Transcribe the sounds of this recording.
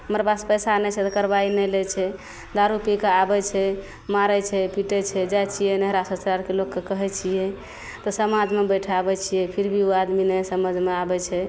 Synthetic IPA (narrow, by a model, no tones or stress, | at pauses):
ɦəmɾepaspəjsanɛt͡ʃʰɛt̪ɔkəɾbainɛlɛt͡ʃʰɛ | d̪aɾupikeabɛt͡ʃʰɛ | maɾɛt͡ʃʰɛpiʈɛt͡ʃʰɛd͡ʒat͡ʃʰijɛnəɦɾasəsɾaɾkelokːekəɦɛt͡ʃʰijɛ | t̪ɔsəmad͡ʒʱmebəjʈʰabɛt͡ʃʰijɛpʰiɾbʱioad̪minɛsəməd͡ʒʱmeabɛt͡ʃʰɛ